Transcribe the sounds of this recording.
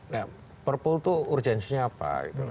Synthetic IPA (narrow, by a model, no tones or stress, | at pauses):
na | pərpult̪uurd͡ʒɛnsɲaːpa̰ɡḭt̪u